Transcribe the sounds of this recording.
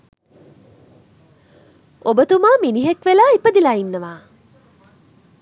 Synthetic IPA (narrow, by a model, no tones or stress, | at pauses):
obət̪umaːminiɦekʋelaːipəd̪ilaːinːɐʋaː